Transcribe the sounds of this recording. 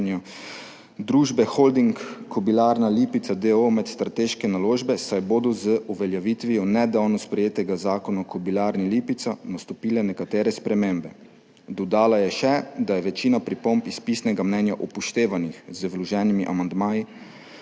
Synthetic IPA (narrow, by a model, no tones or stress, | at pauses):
nja | d̪ɾuːʒbɛxold̪iŋkkʰːɔbilaɾnaliːpit̪sad̪eomɛt̪st̪ɾat̪eːʃkɛnaloːʒbɛsajbod̪ɔzəʔuʋɛljaʋiːt̪ʋijɔnɛd̪awnɔspɾɛjeːt̪ɛɡazaːkɔnakɔbilaːɾniliːpit̪sanast̪ɔpiːlɛnɛkat̪eːɾɛspɾɛmeːmbɛ | d̪ɔd̪aːlajɛʃɛd̪ajɛʋɛt͡ʃiːnapɾipompispisnɛɡamnɛnjaʔupɔʃt̪eːʋanixzəʋlɔʒɛːnimiʔamand̪maːji